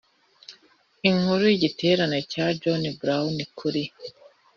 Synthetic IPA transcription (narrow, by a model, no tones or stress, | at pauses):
iŋ̥huɾujiɟite̞ːɾane̞caːd͡ʒonibɾaunikʰuɾi